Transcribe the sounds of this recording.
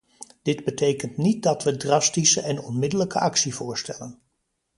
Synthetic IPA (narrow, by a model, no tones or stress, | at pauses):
d̥ɪdbətejkəntnit̚dɑtʋədrɑstisəʔɛnɔnmɪdələkəʔɑksivʊːɹstɛlən